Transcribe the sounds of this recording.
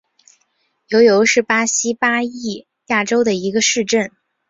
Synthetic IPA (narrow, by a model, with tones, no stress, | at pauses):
jo˧˥ʊjo˧˥ʊʂɻ̩˥˩pa˥ɕi˥pa˥i˥˩ | ja˥˩ʈ͡ʂo˥ʊd̪ə˨i˧˥ɡə˧ʂɻ̩˥˧ʈ͡ʂə˥˩n